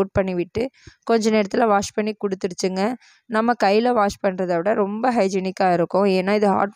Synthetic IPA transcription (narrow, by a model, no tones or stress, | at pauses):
uːʈ̚pɐɳːiʋɪʈːɯkɔɲd͡ʒɐneːɾɐt̪ːɪlaʋaːʂpɐɳːikʊɽɯt̪ːɯɽɯt͡ʃːɯŋɡɐ | nɐmːɐkɐɪɪlɐʋaːʂpɐɳːɾɐðɐʋɪɽɐɾɔmbɐɦɐɪd͡ʒɛnɪkːaːɪɾɯkːʊ̃eːnːaːɪðɯɦa̰ːʈ